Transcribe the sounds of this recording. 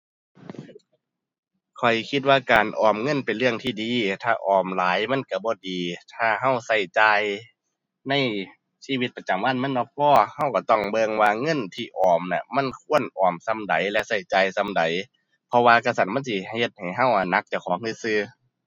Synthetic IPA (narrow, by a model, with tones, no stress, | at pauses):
kʰɔ˨˩jkʰi˧t̪̚waː˧kaː˨nʔɔː˨˩mŋɤ˧˥˨npe˨nlɯ˧˩əŋt̪ʰiː˧˩diː˨˦t̪ʰaː˧˩ʔɔː˨˩mlaː˨˦jma˧˥˨nka˧˩bɔː˧˦diː˨t̪ʰaː˧˩ɦa˧˥˨wsa˧˩jt͡ɕaː˧j | na˧˥˨j | siː˧˨wi˧t̪̚pa˧t͡ɕa˨mwaː˧˥˨nma˧˥˨nɔ˧˥pʰɔː˧˩ha˧˩wka˧˩t̪ɔ˧˩ŋbɤ˧ŋwaː˧ŋɤ˧˥˨nt̪ʰiː˧ʔɔː˨˩mna˧ma˧˥˨nkʰu˧˥˨ənʔɔː˨˩msa˧˥˨mda˨jlɛ˧ʔsa˧˩jt͡ɕaː˨jsa˧˥˨mda˨j | pʰɔ˧waː˧ka˧˩sa˧˩t̪̚ma˧˥˨si˧˩he˧t̪̚ha˨˩jɦa˧˩wʔa˧˩na˧˥k̚t͡ɕa˧˩kʰɔː˨˦ŋɯ˧˥sɯː˧˩